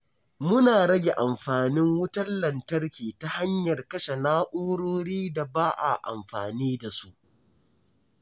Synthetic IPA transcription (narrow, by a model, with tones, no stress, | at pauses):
mʊ˦naː˨ɽɐ˦ɡʲe˨ʔa˨mɸaː˨nɪ˦ŋwʊ˦tɐ˦nlɐ˨ntɐ˦rkʲiː˨ta˦ha˦ɲjɐ˨rkɐ˦ʃe˨naː˦ʔoː˦ɽoː˦ɽiː˦da˨baː˦ʔa̰˨ʔa̰˨mɸaː˨niː˦da˨su˦ʔ